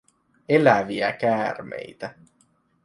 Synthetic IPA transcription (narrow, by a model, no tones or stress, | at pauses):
elæʋiækæːrmḛjt̪æ